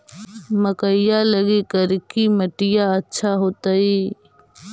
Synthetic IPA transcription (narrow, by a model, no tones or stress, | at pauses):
məkəɪjaləɡikəɾkiməʈɪjaətːʃʰaɦoːt̪aiː